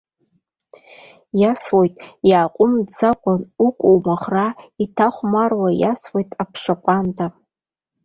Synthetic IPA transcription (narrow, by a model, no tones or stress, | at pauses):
jaswojtʼjaːqʷʼʊmd͡zakʷʼanukʷʼowmaχraitʰaχʷmarwaja̰swejtʼapʰʂaqʷʼantʰa